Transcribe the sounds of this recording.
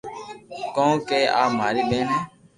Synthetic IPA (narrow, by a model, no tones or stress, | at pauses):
kõːkeːʔaːmaːɾiːɓẽːnɛː